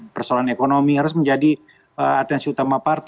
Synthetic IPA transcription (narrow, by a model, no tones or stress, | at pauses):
pərsolaanekonomiɦaɾʊsməɲd͡ʒadi | ə̰at̪ɛnsiut̪amapart̪